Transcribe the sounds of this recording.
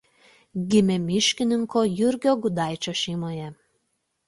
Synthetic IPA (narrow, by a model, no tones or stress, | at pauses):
ɡʲimʲemʲiʃkʲɪnʲɪŋkojyrʲɡʲoɡud̪ɑjt͡ɕoʃimojæ